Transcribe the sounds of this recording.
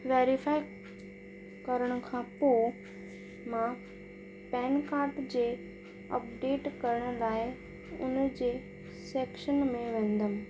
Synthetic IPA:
ʋeːɾifaːɪ | kɐɾəɽ̃ʊ̆kʰãpoː | mã | pɛːnkaːɾʈd͡ʑeː | ɐ̰pɖeːʈkɐɾəɽ̃ʊlaːɪ | ʊ̰nd͡ʑeː | seːkʃənmẽʋẽːn̆d̪əmɪ̃

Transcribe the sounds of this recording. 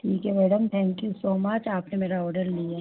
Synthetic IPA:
ʈʰiːkɦɛmɛːɖəmt̪ʰɛ̃ːŋkjusoːmɐt͡ʃaːpnemeːɾaɔːɾɖəɾlie

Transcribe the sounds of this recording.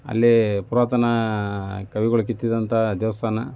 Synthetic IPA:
ɐ̰lːipuɾaːt̪ɐnɐ | kɐʋiɡɐɭuk̬it̪ːid̪ɐnt̪ɐd̪jʋɐst̪ʰaːnɐ

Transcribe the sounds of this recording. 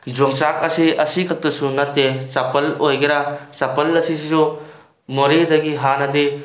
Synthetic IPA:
d͡ʒoŋsak̚ɐsiɐsikʰɐk̚tɐsunɐtːesapɐlojɡiɾasapɐlːɐsisizɔ | mɔɾidɐɡiɦanɐdi

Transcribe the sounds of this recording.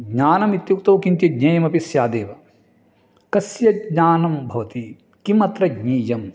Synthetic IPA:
ɡɲaːnɐmit̪jukt̪ɐwkint̪jiɡɲɐjɐmɐpisjaːd̪eːʋɐ | kɐsjɐɡɲaːnɐmbʱɐʋɐt̪i | kimɐt̪ɾɐɡɲiːjɐm

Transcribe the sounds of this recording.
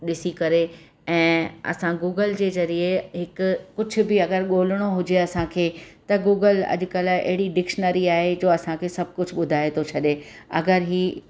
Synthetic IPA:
ɗɪsikɐɾe | ɛ̃ːɐ̰sãɡuːɡəld͡ʑeːzɐɾieɦɪkʊːʊd͡ʑʱʊ̆bɪɐɡəɾɠoːlɪɽ̃oɦʊd͡ʑeɐsãkʰeːt̪ɐɡuːɡəlɐ̰ʄʊ̆kəlɐ̰ɦɪɽiɖɪkʃənəɾiaːɦed͡ʑoːɐsãkʰeːsɐbʱkʊd͡ʑʱɓʊd̪ʱaːet̪ʰot͡ɕʰɐɗeɐɡəɾɦiː

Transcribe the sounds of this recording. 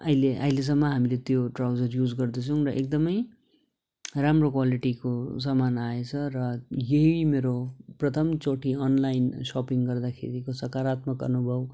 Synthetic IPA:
ʌ̰jleʔʌ̰jles̬ʌmːʌɦamilet̪joʈrawd͡zʌrjud͡zɡʌrd̪ʌt͡sʰʌ̃w̃rʌʔek̚d̪ʌmʌj | ramrokwaliʈikosʌmanaet͡sʰʌrʌjeɦimeɾoprʌt̪ʰʌmt͡soʈʰiʌnlajnsɔpiŋɡʌrd̪akʰḛɾikosʌkaɾat̪mʌkʌ̰nubʱʌw

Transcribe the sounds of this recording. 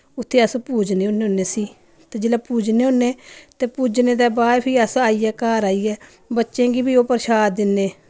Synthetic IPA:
ʊt̪ʰːeːəspuːd͡ʒneːoːnːeːɦoːnːeːsiː | t̪eːd͡ʒeːlaːpuːd͡ʒneːõːnːeːt̪eːpuːd͡ʒneːd̪ɛːbaːɾpʰiːəsaːiːɛːkaːɾaːiːɛː | bətːʃẽːɡiːbiːoːpəɾʃaːd̪d̪ɪnːeː

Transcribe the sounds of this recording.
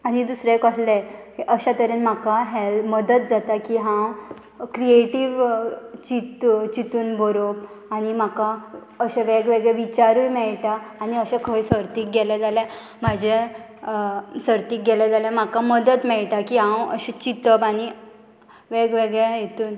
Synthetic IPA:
añid̪usɾekəɦlɛheʔəɕat̪əɾenm̤akaɦɛlməd̪ət̪̚d͡zat̪akiɦã | kɾieʈiʋt͡ɕit̪t͡ɕit̪uːnbʱɔɾo | añim̤aka | əɕɛʋeɡʋeɡɭɛʋit͡ɕaɾujmɛɭʈaːniəɕɛ̃kʰəjsəɾt̪iːk̚ɡɛlad͡zalɛ̃ | m̤ad͡ʑʱe | səɾt̪iːk̚ɡɛlad͡zaljam̤akaməd̪ət̪mɛɭʈakiɦãwə̰ɕɛt͡ɕit̪əbañi | ʋeɡʋeɡɭɛjet̪uːn

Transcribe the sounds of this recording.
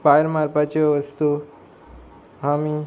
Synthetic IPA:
pajɾmaɾpɐt͡ʃoʋəst̪u | ɦami

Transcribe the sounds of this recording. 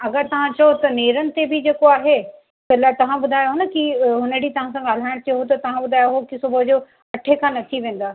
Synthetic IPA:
ɐɡəɾt̪ɐʋ̤ãt͡ɕɐjot̪ɐneːɾənɪ̆t̪ebʱɪd͡ʑeːkoaːɦe | t̪ɐlaːet̪ɐʋ̤ãbʊd̪ʱaːjoɦʊnə̆kiɦʊnəɽit̪ɐʋ̤ãsãɡaːl̤aːɪɽ̃t͡ɕɐjɦot̪̬ɐt̪ɐʋ̤ãbʊd̪ʱaːjoɦokɪsʊbʱəd͡ʑoː | ɐʈʰekʰãːnɐt̪ʰiʋẽːn̆d̪aː

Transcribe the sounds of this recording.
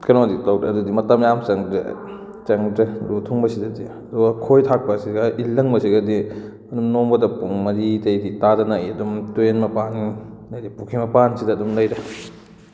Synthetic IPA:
kʰɐɾoditawdɾɐɐdudimɐtɐmjamt͡ʃɐŋdɾḛ | t͡ʃɐŋdɾɐɾutʰuŋbɐsidɐdiɐduɡɐkʰojtʰak̚pɐsiɡɐʔilːɐŋbɐsiɡɐdi | ɐdumnoŋbɐdɐpuŋmɐɾitɐjditadɐnajiɐdumtuenmɐpaninadipukʰimɐpansidɐːdumlɐjɾɐ

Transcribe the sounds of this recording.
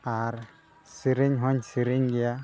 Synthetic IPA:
aɾ | siɾiɲɦɔɲsiɾiɲɡija

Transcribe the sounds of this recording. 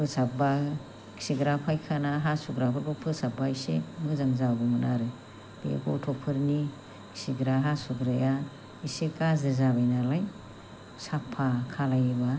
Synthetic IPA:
ɯsaba | ki̥siɡɾapʰajkʰanaɦasuɡɾabʰɯɾbɔpʰɯsabaisemɯzaŋzabɯmɯna̰ɾɯ | b̥ḛkɔtʰɔpʰɯɾni | ksiɡɾaɦasuɡɾɯja | isekazɯzabajnalaj | sapʰakʰalajba

